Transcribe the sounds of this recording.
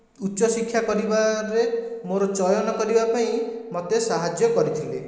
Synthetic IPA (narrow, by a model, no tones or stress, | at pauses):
utːʃɔsikʰːjakɔɾibaɾemoɾɔt͡ʃɔjɔnɔkɔɾibapaĩmɔt̪esaɦad͡ʒjɔkɔɾit̪ʰile